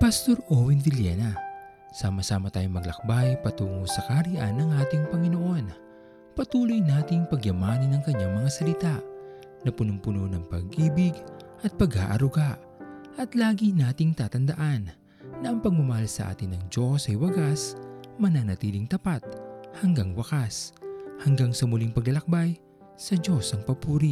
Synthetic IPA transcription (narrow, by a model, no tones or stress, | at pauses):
pɐst̪o̞ɾʔowɪndɪljɛ̰nɐ | saːmɐsaːmɐt̪aːjoŋmɐɡlɐ̰k̚bajpɐt̪uːŋosɐkaɾiʔa̰nːɐŋʔaːt̪ɪŋpɐŋɪno̞ʔo̞n | pɐt̪uːlojnaːt̪ɪŋpɐɡjɐmaːnɐnːɐŋkɐɲːaŋmɐŋasɐlɪt̪aʔ | nɐpʊnʊŋpʊnonɐŋpɐɡʔiːbɪɡʔɐt̪̚pɐɡa̰ːʔɐ̰ɾʊɡaʔ | ʔɐt̪laːɡinaːt̪ɪŋt̪aːt̪ɐnd̪ɐʔanː | ɐʔɐŋpɐɡ̚mɐmɐhalsɐ̰ʔa̰ːt̪ɪnːɐŋd͡ʒo̞sɐjwɐɡasmɐnanɐt̪iːlɪŋt̪ɐpat̪̚hɐŋɡaŋwɐkashɐŋɡaŋsɐmʊliŋpɐɡɐlɐk̚baj | sɐd͡ʒo̞sɐŋpɐpuːɾi